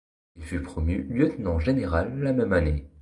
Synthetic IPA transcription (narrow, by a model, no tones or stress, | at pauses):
ilfypχɔmjyljøt̪nɑ̃ʒeneʁalːamɛmane